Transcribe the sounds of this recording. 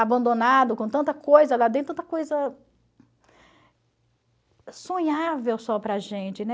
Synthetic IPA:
abɐ̃nd̪onad̪ʊkõt̪ɐ̃nt̪ɐkojzɐd̪ad̪ẽt̪t̪ɐkojzɐ | sõɲavewsɔpɾɐʒẽt͡ʃɪnɛ

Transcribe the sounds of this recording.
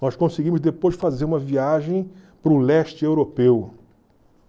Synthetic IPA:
nɔskõsiɡĩmʊzd̪epojzɪfazeɾũmɐviaʒẽj̃ | pɾʊlɛʃt͡ʃɪewɾopew

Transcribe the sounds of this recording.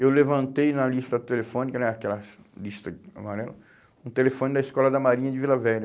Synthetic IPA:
ewlevɐ̃nt̪ejnɐlist̪ɐt̪elefõnikɐnɛakɛlɐslist̪ɐa̰maɾɛlɐ | ũt̪elefõnɪd̪ɐiskɔlɐd̪ɐmaɾĩɲɐd͡ʒɪvilɐvɛɾɐ

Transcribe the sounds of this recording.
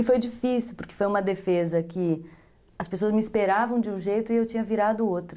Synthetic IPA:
ɪfojd͡ʒifisiwpʊɾkɪ̥fojũmɐd̪efezɐkɪ | ɐspesoɐzmɪispeɾavɐ̃w̃d͡ʒɪũʒejt̪ʊɪewt͡ʃĩɲɐviɾad̪ʊot̪ɾʊ

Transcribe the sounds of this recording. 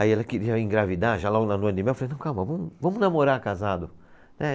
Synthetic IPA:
aiɛlɐkɪɾiɐẽɡɾavid̪aʒalɔɡʊnɐnõd̪ɪmɛwflejnɐ̃w̃kawmɐvɐ̃mʊvɐ̃mʊnamoɾakazad̪ʊ | nɛ

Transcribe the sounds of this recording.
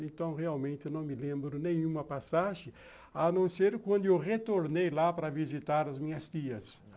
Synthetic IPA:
ẽnt̪ɐ̃w̃ʁeawmẽnt̪ɪnɐ̃w̃mɪlẽmbɾʊnẽj̃ũmɐpasaʒɪ̃ | anɐ̃seɾkwɐ̃nd̪ʊewʁet̪oɾnejlapɾɐvizit̪aɾɐzmĩɲɐst̪iɐs

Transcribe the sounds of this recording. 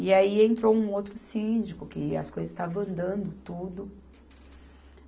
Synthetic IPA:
ɪaiẽnt̪ɾowũowt̪ɾʊsĩd͡ʒikʊkɪɐ̰skojzɐzst̪aṽɐ̃nd̪ɐ̃nd̪ʊt̪ud̪ʊ

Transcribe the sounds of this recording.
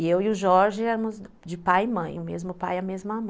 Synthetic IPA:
ewɪʊʒɔɾʒɪɛɾɐmʊz | d͡ʒɪpajɪmɐ̃j̃ʊmḛzmʊpajɐmezmamɐ̃

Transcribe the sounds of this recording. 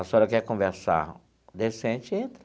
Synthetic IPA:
asɔɾekɛɾkõveɾsa̰ɾ | d̪esẽnt͡ʃɪẽnt̪ɾɐ

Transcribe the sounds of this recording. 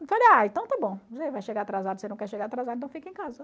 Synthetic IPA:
t̪ɔʎaaẽt̪ɐ̃w̃t̪abõzevajʃeɡaɾat̪ɾazad̪ʊsenɐ̃w̃kɛɾʃeɡaɾat̪ɾazad̪ɾẽt̪ɐ̃w̃fikẽkazɐ

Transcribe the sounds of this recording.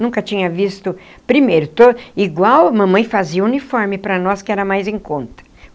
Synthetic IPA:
nũkɐt͡ʃĩɲɐvist̪ʊ | pɾimejɾʊt̪oiɡwawmɐ̃mɐ̃j̃faziɐunifɔɾmɪpɾɐnɔskɪɛɾɐmajzẽkõnt̪ɐ̥

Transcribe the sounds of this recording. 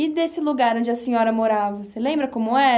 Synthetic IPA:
id̪esɪluɡaɾõd͡ʒɪɐsĩɲɔɾɐmoɾavɐselẽmbɾɐkõmʊɛ

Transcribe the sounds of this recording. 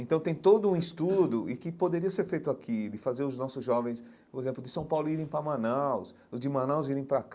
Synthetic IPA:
ẽnt̪ɐ̃w̃t̪ẽj̃t̪od̪ʊũist̪ud̪ʊʔɪkɪpod̪eɾiɐseɾfejt̪ʊakʰid̪ɪfazeɾʊznɔsʊzʒɔvẽj̃s | poɾezẽmplʊdd͡ʒɪsɐ̃w̃pawlʊiɾẽj̃pɾɐmãnaws | ʊzd͡ʒɪmãnawziɾẽj̃pɾak

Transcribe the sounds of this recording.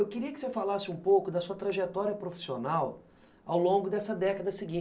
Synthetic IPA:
ewkɪɾiɐkɪ̥sefalasɪũpowkʊd̪ɐsuɐt̪ɾaʒet̪ɔɾiɐpɾofi̥sionaw | awlõɡʊd̪ɛsɐd̪ɛkɐd̪ɐsɪɡĩ

